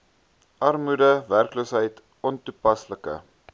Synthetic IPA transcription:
ʔɐrmudəværkloːsɦəjt | ʔɔntupɐsləkə̰

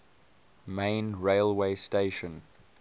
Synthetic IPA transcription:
mẽnɹeɪlˠweɪsteɪʃə̃n

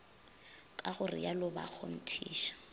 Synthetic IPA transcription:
kʼaχʊrɪ̰jalʊba̰k͡xʰɔm̩tʰiːʃḁ

